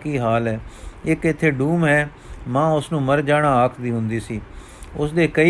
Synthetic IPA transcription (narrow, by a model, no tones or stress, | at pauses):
kiːɦaːlɦɛːɪkɪt̪ʰːeːɖuːmɦɛː | mãːʊsnũːməɾd͡ʒaːɽaːaːkʰd̪iːɦʊnd̪iːsiː | ʊsd̪eːkəi